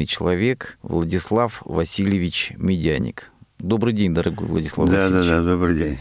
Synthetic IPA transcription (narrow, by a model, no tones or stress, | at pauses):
ɨjt͡ɕɪlˠɐvʲe̞kvlˠədʲɪslˠafvɐsʲilʲjɪvʲɪt͡ɕmʲɪdʲanʲɪ̰kd̪o̞bɾɨjdʲenʲd̪əɾɐɡojvlˠə̰dʲɪslˠa̰d̪ad̪ad̪ad̪obɾɨjdʲenʲ